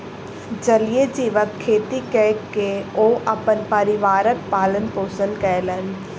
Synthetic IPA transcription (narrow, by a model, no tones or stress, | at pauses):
d͡ʒɐlijed͡ʒiːʋəkʰːeːt̪ikɛkːeoːʔɐpənpəɾɪʋaːɾək̚paːlənpoːsənkələn